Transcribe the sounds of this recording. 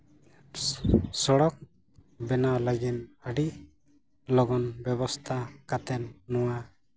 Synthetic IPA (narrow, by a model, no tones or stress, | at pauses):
sɔɽɔk̚ | bɛnalaɡinaɖi | lɔɡɔnbjɔbɔst̪ʰakat̪ɛnnɔwa